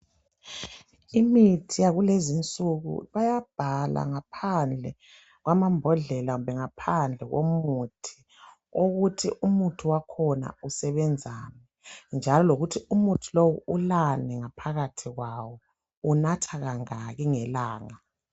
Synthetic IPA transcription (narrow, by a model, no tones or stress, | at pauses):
imitʰijaɣulezint͡sʼuɣṵβajab̥ʱalʔa̰ŋapʰand͡ɮʱɛ | ɣwamambʱɔɮɛlaɣumbɛŋapʰand͡ɮʱɛɣo̰mutʰi̥ | oɣutʰiʔumutʰuwakʰɔna̰usɛβɛnd͡zʱaːmɛ | nd͡ʒʱalɔloɣutʰiumutʰulowuulanɛŋapʰaɣatʰiɣwawɔ | unatʰaɣaŋaɣiŋɛlaːŋa